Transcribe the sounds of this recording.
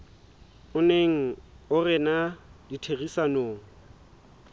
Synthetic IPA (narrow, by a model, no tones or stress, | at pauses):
ʊneŋ̩ʊrɪnaditʰeɣisanoːŋ̩